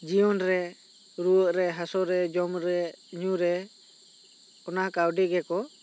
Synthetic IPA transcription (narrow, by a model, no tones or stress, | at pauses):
d͡ʒiɔnɾɛ | ɾuəʔɾɛɦasɔɾɛd͡ʒɔmɾɛɲuɾɛ | ɔnakawɖiɡɛkɔ